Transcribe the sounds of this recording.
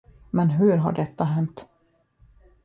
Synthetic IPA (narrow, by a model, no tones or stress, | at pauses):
mɛnɦɵɾɦa̰ɖɛt̪ːaɦɛnt̪